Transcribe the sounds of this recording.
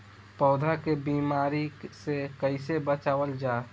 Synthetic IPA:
pɔːd̪ʱakebiːmaːɾisekəɪsebət͡ʃaːʋəld͡ʒaː

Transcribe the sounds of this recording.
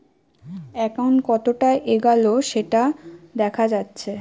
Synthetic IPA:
ɛkawɳʈkɔt̪oʈaʔeɡaloʃeʈad̪ɛkʰad͡ʑatːɕʰe

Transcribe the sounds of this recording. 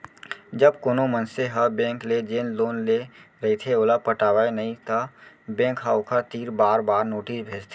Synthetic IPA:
d͡ʒəbkoːnomənseɦəbẽːŋkled͡ʒeːnloːnleɾɐɦit̪ʰeoːlapəʈaːʋaenɐɦĩt̪ə | bẽːkɦaːʊkʰat̪iːɾbaːɾbaːɾnoːʈisbʱeːd͡ʒt̪ʰe

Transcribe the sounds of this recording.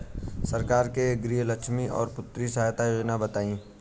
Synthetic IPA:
sɐɾkaːɾkeɡɾiːɦləkʃmiɔ̰ːɾpʊt̪ɾisajt̪ajoːd͡ʒnabɐt̪aːĩː

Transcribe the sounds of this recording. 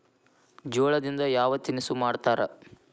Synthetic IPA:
d͡ʒoːɭɐd̪ind̪ɐjaːʋɐt̪inisumaːɽt̪aːɾɐ

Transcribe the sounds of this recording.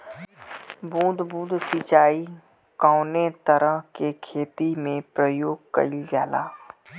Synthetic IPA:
bũːd̪ʱbũːd̪ʱsit͡ʃaːi | kaʊnet̪əɾəɦkekʰeːt̪imẽpɾəjoːɡkɐ̰ild͡ʒaːla̰ː

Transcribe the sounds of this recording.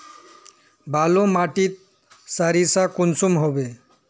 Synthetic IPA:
bʱalomaʈit̪̚ | saɾisakunsumɦobe

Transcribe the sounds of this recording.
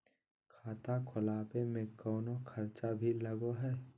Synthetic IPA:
kʰaːt̪akʰʊlaːpemẽkɔːnokʰɐɾt͡ʃabʱilɐɡoɦɛː

